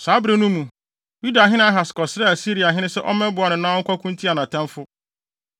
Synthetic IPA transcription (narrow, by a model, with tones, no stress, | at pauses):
saː˨˦bɾe˦nũ˦mũ˨ | ju˦da˨ɦɪ̃˦nɪ̃˦a˦ɦa˨skɔ˨sɾɛ˦æ˨si˦ɾi˨a˨ɦɪ̃˦nɪ̃˦sɛ˦ʔɔ̰˦mɛ̃˦bʊ˨˦a˨nʊ̃˨nãː˦wɔ˦ŋ̩˦kʷɔ˦kʰʊ̃˦n̩˦tʰi˦a˨nã˨tʰɛ̃˦mfʊ˦